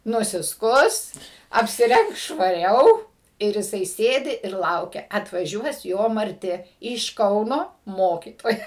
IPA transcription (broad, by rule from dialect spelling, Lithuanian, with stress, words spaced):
nʊsʲɪˈskʊs ɐpʲsʲɪˈrʲɛŋks ʃʋɐˈrʲɛʊ ɪr jɪˈsɐɪ ˈsʲeːdʲɪ ɪr ˈlˠɐʊkʲɛ ɐtʋɐˈʒʲuɔs ˈjoː mɐrʲˈtʲɪ ɪʃ ˈkɐʊnoː ˈmoːkʲiːtoːjɛ